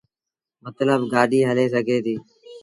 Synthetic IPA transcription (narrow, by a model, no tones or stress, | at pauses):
mət̪ləbɡaːɗiːɦəleːs̬əɡʱeːt̪iː